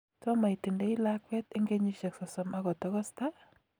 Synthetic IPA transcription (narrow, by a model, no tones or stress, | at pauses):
tɔmajtindɛilakwɛtɪŋɡeɲuʃɛksɔsɔmaɡɔtɔkɔsta